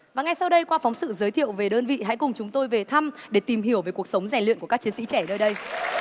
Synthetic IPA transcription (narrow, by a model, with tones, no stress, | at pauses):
vaː˨˩ŋa˨˩jsa˧wɗə˧jkwaː˧fɔ˨˦wŋ͡msɨ̰˧˨zəː˨˦jt̪ʰḭ˧˨əwve˨˩ɗəː˧nvḭ˧˨ɦa̰˧˥jkʊ˨˩ŋ͡mt͡ɕʊ˨˦ŋ͡mt̪o˧jve˨˩t̪ʰa˧mɗe˧˩t̪i˨˩mɦi˧˩əwveː˨˦jku˨˩ək̚sə˨˦wŋ͡mza˧˩ŋ̟lḭ˧˨ku˧˩əka˦˥t͡ɕi˨˦nsḭ˧˥t͡ɕɛ˧˩nəː˧jɗə˧j